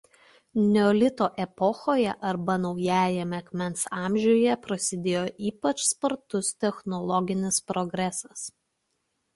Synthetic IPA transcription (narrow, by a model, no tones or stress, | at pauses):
nʲɛɔːlʲɪt̪oːʔɛpɔxoːjɛʔɐɾbɐnɒʊjæːjɛmʲɛɐkʲmʲɛnˑsɑːmʲʒʲʊjɛpɾɐsʲɪd̪ʲeːjoːʔiːpɐt͡ʃspɐɾt̪ʊst̪ʲɛxnɔlˠɔɡʲɪnʲɪspɾɔɡɾʲɛsɐs